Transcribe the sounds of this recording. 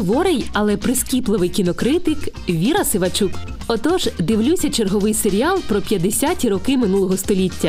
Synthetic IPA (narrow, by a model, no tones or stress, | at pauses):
ʋɔɾɪjɐlˠɛpɾɪskʲiplˠɪʋɪjkʲinɔkɾɪt̪ɪkʋʲiɾɐsɪʋɐt͡ʃuk | ɔt̪ɔʒd̪ɪʋlʲusʲɐt͡ʃerɦɔʋɪjseɾʲialˠpɾɔpʲjɐd̪esʲatʲiɾɔkɪmɪn̪ulˠɔɦɔst̪ɔlʲitʲːɐ